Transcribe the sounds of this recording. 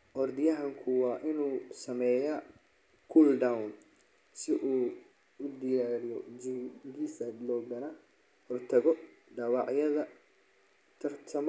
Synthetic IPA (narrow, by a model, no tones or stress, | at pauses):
ʔɔrd̪ɪjɐɦɐŋkʰʊwɑːʔɪnuːsɐmɛːja | kʰuːld̪awn | sɪʔuː | ʊd̪ɪjaːɾɪjɔd͡ʒiɡisɐd̪lɔːɡɐnɐ | hɔrt̪ʰɐɣɔɖɑwɑʕjɐðɐ | t̪ʰɐrt̪ʰɐm